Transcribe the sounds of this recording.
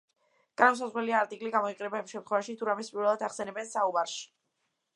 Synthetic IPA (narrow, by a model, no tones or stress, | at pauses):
ɡ̥ɾams̬azʁwɾɛliaːɾt̪ʼikʼliɡamɔiqʼɛnɛbaimʃɛmt̪χwɛvaʃit̪ʰuɾamɛspʼiɾvɛlˠad̪aχsɛnɛbɛnsaumaɾʃi̥